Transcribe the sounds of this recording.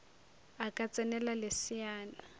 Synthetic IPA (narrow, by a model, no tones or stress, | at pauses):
akʼat͡sʼɛnɛlalesiaːna